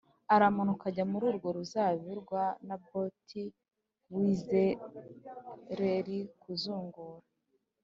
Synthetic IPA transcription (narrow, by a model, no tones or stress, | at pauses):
aɾamunukaɟamuɾuːɾɡo̞ɾuzaβiɾɡwanabo̞tʰi | wiːze | ɾeɾikuzuːŋɡuɾa